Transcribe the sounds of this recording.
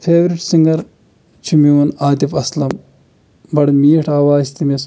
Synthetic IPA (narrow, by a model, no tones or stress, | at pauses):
pʰeːʋɾiʈsiŋɡɐɾ | t͡ʃʰumiunaːt̪ifɐslɐm | bɐɽmiːʈʰaːʋaːst̪imes